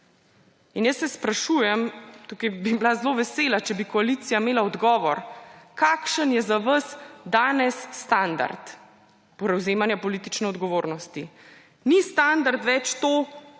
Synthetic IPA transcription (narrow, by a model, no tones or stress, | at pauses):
injəsːɛspɾaʃuːjɛmt̪ukɐjbiblazloʋɛselat͡ʃɛbikɔaliːt̪sijameːlaɔd̪ɡɔːʋɔɾkakʃənjɛzaʋəsd̪aːnɛsːt̪and̪a̰ɾt̪ | pɾɛwzeːmanjapɔliːt̪it͡ʃnɛɔd̪ɡɔʋoːɾnɔst̪i | nist̪and̪aɾt̪ʋɛt͡ʃt̪oː